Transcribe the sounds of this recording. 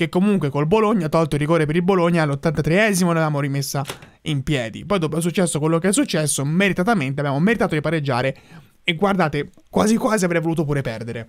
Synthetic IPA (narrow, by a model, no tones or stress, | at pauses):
k̟ekːomuŋkwekolboloɲːat̪ːɔlt̪oirːiɡoːɾːipeɾilboloɲːalːot̪ːant̪at̪ɾeɛːzimolavaːmoɾimesːa | impjɛːd̪ḭpɔjd̪ɔpoɛs̬ut͡ʃːɛsːokwelːokeɛs̬ːut͡ʃːɛsːomeɾit̪at̪ament̪eabjamomeɾit̪aːt̪od̪ipaɾed͡ʒːa̰ːɾe | eɡward̪aːt̪ekwaːzikwaːziavɾɛjvoluːt̪opuːɾepɛrd̪eɾe